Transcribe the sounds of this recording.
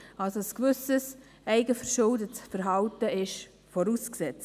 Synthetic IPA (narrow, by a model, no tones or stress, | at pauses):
ɑlsoəskvʏsəs | ɛɪɡəfəɾʃʊldətsfəɾɦɑltəɪʃ | fɔɾusksɛt͡s